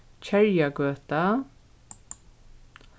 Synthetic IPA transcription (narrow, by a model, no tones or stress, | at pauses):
t͡ʃʰɛɹjaɡøːt̪a